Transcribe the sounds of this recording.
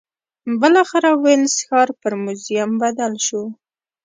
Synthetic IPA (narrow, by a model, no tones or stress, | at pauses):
bəlɑxɪɾawensxɑɾpəɾmʊzjambad̪alʃu